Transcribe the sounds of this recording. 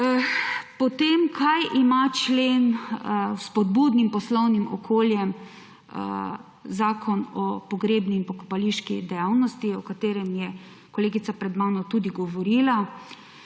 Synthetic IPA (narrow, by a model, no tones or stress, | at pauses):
pɔt̪emkʰajʔimat͡ʃleːn | spɔd̪buːd̪nimpɔslɔwnimɔ̰kʰoːljɛm̰ | zaːkʰɔnɔpɔɡɾeːbniːnpɔkɔpaliʃkḭd̪ɛjawnɔst̪iɔkat̪eːɾɛmjɛ | kɔleːɡit̪sapɾɛd̪maːnɔt̪ud̪iɡɔʋɔɾiːla